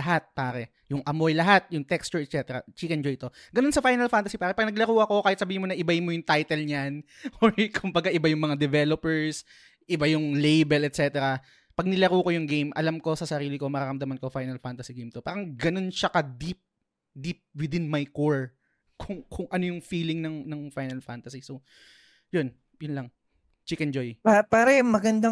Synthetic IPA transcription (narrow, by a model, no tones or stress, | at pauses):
ɐɦat̪̚paːɾɛ | jʊŋʔɐmojlɐɦat̪̚jʊŋt̪ɛkst͡ʃʊɹɛt̪t͡ʃɛt̪ɛɾɐ̰t͡ʃiːkɛnd͡ʒojt̪o̞ɡɐno̞nsɐfajnɐlfanɐsipaːɾɛpɐɡ̚nɐɡlɐkuːʔɐko̞kaːhɪt̪̚sɐbiːɪmonɐʔɪbahɪnmojʊŋt̪ajt̪ɛlɲanoɹkʰʊmbɐɡaʔɪbajʊŋmɐŋad̪ɛvɛlopɛɹs | ʔɪbajʊŋlejbɛlɛt̪̚t͡ʃɛt̪ɛɾɐ | pɐɡ̚nɪlɐɾuːkojʊŋɡejmʔɐ̰lamko̞sɐsɐɾiːlɪko̞mɐɾaːɾɐmd̪ɐmɐnkofajnɐlfant̪ɐsiɡejmt̪opaːɾɐŋɡɐno̞nʃɐkɐd̪ip̚ | d̪ip̚wɪd̪ɪnmajkoɹ | kʰʊŋkʰʊŋʔɐnojʊŋfiːlɪŋnɐŋnɐŋfajnɐlfant̪ɐsiso | jon | jʊnlɐŋ | t͡ʃikɛnd͡ʒojpapaːɾɐmɐɡɐnd̪a